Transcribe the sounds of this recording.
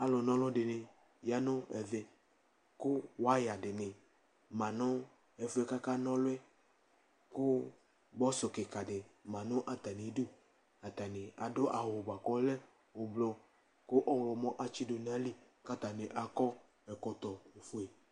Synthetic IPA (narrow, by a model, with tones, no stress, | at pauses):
a˨lɔ˨nɔ̃˦lɔ˦ɖɪ˨nɪ˨ | ja˨nʊ̃˦ɛ̰˨ðɛ˨ | ko˦wa˦ja˨dɪ˨nɪ̃˨ | mã˨nʊ̃˦ | ɛ˨fʊ˦ɛ˦ka˦ka˦nɔ̃˦lʊ˦ɛ˦ | ko˦ | bɔ˦sɔ˨ke˨ka˨dɪ˨mã˨nɔ̃˦ʔa˨t̪a˨ni˨˦du˦ | a˨t̪a˨nɪ̃˨a˨dʊ˦ʔa˨wo˨ba˨kɔ˦lɛ˦ | wo˨blɔ˦ | ko˦ʔɔ˦wlɔ˨mɔ̃˦ʔa˨t͡ʃi˦do˨n˨a˦li˦ | ka˦t̪a˨ne˨ʔa˨kɔ˦ | ɛ˨kɔ˨t̪ɔ˨o˨fo˦ɛ˨